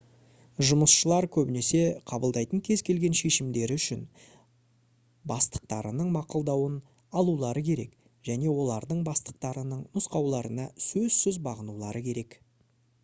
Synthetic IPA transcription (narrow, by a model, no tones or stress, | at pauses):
ʒʊməsʃəlˠɑɾkʲʰɵbɪne̞se̞qʰɑbəlˠd̪ɑjt̪əɴkʲʰe̞zkʲʰe̞lɡʲe̞nʃe̞ʃɪmd̪e̞ɾɪʏʃɪn | bɑst̪ə̥q̚t̪ɑɾənəɴmɑqəlˠd̪ɑwən | ɑlˠulˠɑɾəkʲʰe̞ɾe̞̰k | ʒ̥æne̞wo̞lˠɑɾd̪əɴbɑst̪ə̥q̚t̪ɑɾənəɴnʊsqɑwlˠɑɾənɑsɵzsʏzbɑʁənulˠɑɾəkʲʰe̞ɾe̞k